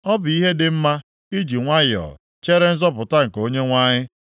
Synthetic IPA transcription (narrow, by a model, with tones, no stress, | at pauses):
ɔ˦bʊ˨i˦ɦe˦dɪ˨m̩˦ma˦ | i˦d͡ʒi˨ŋʷa˦jɔ̰˨ | t͡ʃe˦ɾe˦n̩˦zɔ˦pʊ˨ta˦ŋ̩˨ko˦ɲe˦ŋʷa˦ɲɪ˦